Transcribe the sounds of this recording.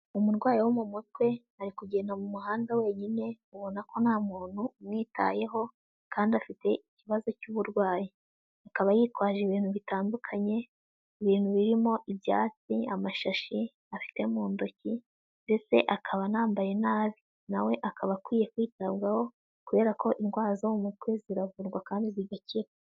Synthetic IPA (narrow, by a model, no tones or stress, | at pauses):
umuɾɡwaːjiwomumut̚we̞ | aɾikuɟe̞namumuɦaːndawe̞ːɲine̞uβo̞nakʰo̞nhaːmuːn̥huːmŋiːta̰je̞ɦo̞ | kaːndiafite̞iciβazo̞cuβuɾɡwaːji | akaβajiːtwaːʒeβiːn̥huβitaːndukʰaɲe̞ | iβiːn̥huβiɾimo̞ʔibja̰ːt͡siamaʃaʃi | afi̥te̞muːndoci | be̞se̞̰ʔakʰaβanaːmbaje̞naːβi | nawe̞ʔakʰaβakwiːje̞kwiːtaβɡaho̞ | kuβe̞ːɾakʰo̞ʔiŋɡwaːzoumutweziɾavuɾɡwakaːndiziɡaciɾa